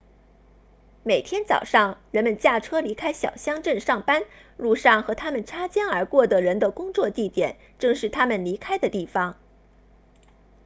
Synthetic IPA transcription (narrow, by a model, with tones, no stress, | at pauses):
me˨˩ɪt̪ʰjɛ˥nt͡sɑ̰˨˩ʊʂɑ˥˩ŋɻə˧˥nmə˧nt͡ɕja˥˩ʈ͡ʂʰɤ˥li˧˥kʰa˥ɪɕjɑ̰˨˩ʊɕjɑ˥ŋʈ͡ʂə˥˧nʂɑ˥˩ŋpa˥nɻu˥˧ʂɑ˥˩ŋxɤ˧˥t̪ʰa˥mə˨nʈ͡ʂʰa˥t͡ɕjɑ˥ŋə˞˧˥kwɔ˥˩d̪ə˩ɻə˧˥nd̪ə˧kʊ˥ŋt͡swɔ˥˧t̪i˥˩t̪jɛ̰˨˩˦n | ʈ͡ʂɤ˥˧ŋʂɻ̩˥˩t̪ʰa˥mə˨nli˧˥kʰa˥ɪd̪ə˨t̪i˥˩fɑ˧˩ŋ